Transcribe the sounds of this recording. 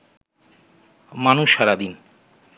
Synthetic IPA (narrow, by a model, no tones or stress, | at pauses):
manuʃːaɾad̪in